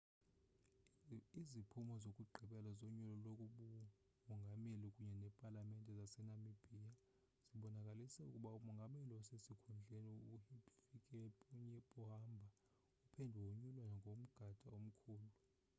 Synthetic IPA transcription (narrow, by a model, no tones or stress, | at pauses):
izipʰumɔzokʼuɡ͡ǃʱiɓɛlazoɲulɔlokʼuɓu | mɔŋɡʱamelikʼuɲɛnɛpʼalamɛntʼɛzasɛnamib̥ʱia | z̥iɓɔnakʼalisɛukʼuɓaumɔŋɡʱameliɔsesikʰund͡ɮʱeniuhipifikʼɛuɲɛpʼuɦambʱa | upʰɛndʱuwoɲulwanɔŋɡʱom̩ɡ̥ʱad̥ʱʼaom̩kʰuːlu